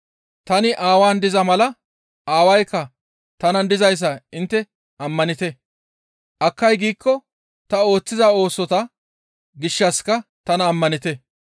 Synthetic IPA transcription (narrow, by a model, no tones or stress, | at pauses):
t̪ɐnɪʔaːwaːnd̪ɪzɐmɐlɐ | aːwɐjkːɐ | t̪ɐnɐnd̪ɪzɐjs̬ːɐɪnt̪ːɛ | ʔɐmːɐnɪt̪ɛ | ʔɐkːɐjɡiːkːɔ | t̪ɐo̞ːt͡sːɪzɐo̞ːsɔt̪ɐ | ɡɪʃːɐskɐt̪ɐnɐːmːɐnɪt̪ɛ